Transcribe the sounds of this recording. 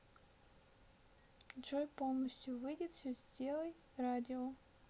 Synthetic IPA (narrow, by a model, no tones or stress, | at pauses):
d͡ʒojpolˠnəsʲtʲjuvɨjdʲɪt̪fsʲɵzʲdʲelˠəj | radʲɪo